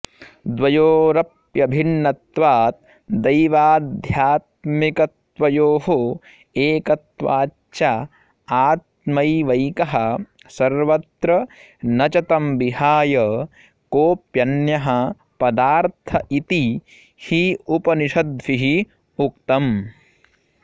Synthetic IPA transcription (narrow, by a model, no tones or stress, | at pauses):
d̪ʋɐjoːɾɐpjɐbʱinːɐt̪ʋaːt̪̚ | d̪ɐjʋaːd̪ʱjaːt̪̚mikɐt̪ʋɐjoːɦo | eːkɐt̪ʋaː | t͡ʃa | aːt̪̚mɐjʋɐjkɐɦɐ | sɐɾʋɐt̪ɾɐ | nɐt͡ʃɐt̪ɐmʋiɦaːjɐ | koːpjɐnjɐɦɐ | pɐd̪aːɾt̪ʰɐʔit̪i | hiupɐniʃɐd̪ʋiɦi | ukt̪ɐm